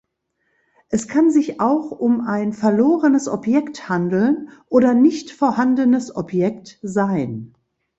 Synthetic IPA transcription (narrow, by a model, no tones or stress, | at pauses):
ʔɛskʰanzɪçʔaʊxʊmaɪnfɛɐloːʁənəsʔɔ̰pjɛkthandl̩nʔoːdɐnɪçtfoːɐhandənəsʔɔpjɛktzaɪn